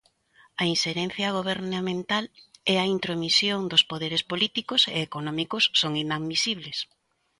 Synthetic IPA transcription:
ɐinʃeɾen̟θjɐɣ̞oβ̞eɾnamẽnt̪alɛɐint̪ɾomisjoŋd̪ospoðeɾespolit̪ikosḛːkonɔ̃mikʊsːoŋinaðmisiβles

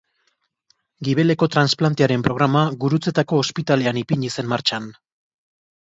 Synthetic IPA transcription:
ɡiβe̞le̞ko̞t̪ɾansplant̪eaɾe̞mpɾo̞ɣ̞ɾamaɡuɾut͡se̞t̪ako̞ːspit̪ale̞anipiɲise̞mmaɾt͡ʃan

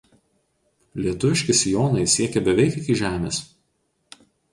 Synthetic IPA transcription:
lʲiɛt̪ʊʋʲɪʃʲkʲɪsʲɪjoːnɐɪsʲiɛkʲɛbʲɛʋʲɛɪkʲɪkʲiʒʲæːmʲḛːs

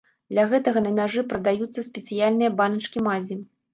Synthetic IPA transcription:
d̪lʲɐɣɛt̪ɐɣɐnɐmʲaʐɨpɾɐd̪ajut̪sːɐsʲpʲɛt̪sɨjalʲnɨjɐbanɐt͡ʂkʲimazʲi

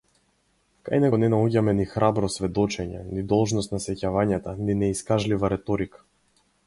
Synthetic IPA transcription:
ka̰jnɛɔnɛnauɟamɛnixɾabɾɔsvɛd̪ɔt͡ʃɛɲɛ̰nid̪ɔlˠʒnɔst̪nasɛcavaɲat̪aninɛiskaʒlivaɾɛt̪ɔɾikḁ

